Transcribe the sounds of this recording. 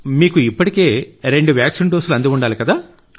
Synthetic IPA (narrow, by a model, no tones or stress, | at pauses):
miːkuipːɐʈike̞ːɾe̞ɳɖuʋjaːkʂinɖoːsuluɐnd̪iʋuɳɖaːlikɐd̪aː